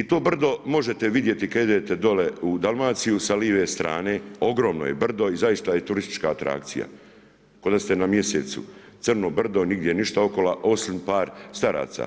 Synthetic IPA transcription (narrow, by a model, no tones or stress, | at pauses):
it̪o̞ːbr̩d̪o̞mo̞ʒe̞t̪eʋid̪jet̪ikaed̪et̪ed̪o̞leud̪alˠmaːt̪sijusaliːʋeːst̪ɾa̰ːne̞ːo̞ɡɾo̞ːmno̰jebr̩d̪o̞izajist̪ajet̪uɾist̪i̥t͡ʃkaːt̪ɾa̰kt̪sija̰ | ko̞d̪ast̪enamje̞sḛt̪sṵt̪sɨrnobr̩d̪o̞niɡd̪ʲjeniʃt̪ao̞ko̞laʔo̞simpaːɾst̪aɾa̰ːt̪sa̰